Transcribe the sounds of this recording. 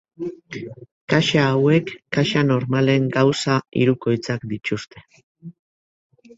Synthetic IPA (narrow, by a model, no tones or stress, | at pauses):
kaʃaːwe̞kːaʃano̞ɾmale̞ŋɡawsaḭɾuko̞jt͡sakd̪it͡ʃust̪e̞̥